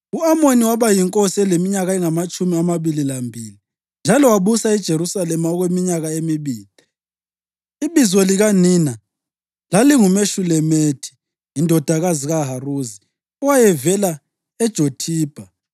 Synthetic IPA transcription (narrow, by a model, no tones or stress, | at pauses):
uamoniwaβajiŋkʼosiɛlemiɲaɣaɛŋamat͡ʃʼumiamaβililambʱiːli | nd͡ʒʱalɔwaβusaid̥ʒ̥ʱeɾusalɛmaɔɣwemiɲaɣaemiβiːl̥ʱi | iβizwɔliɣaniːna | laliŋumeʃulɛmeːtʰi̥ | jindʱɔd̥ʱaɣaziɣaɦaruːzi | uwajɛvɛla | ɛd̥ʒ̥ʱotʰiːb̥ʱa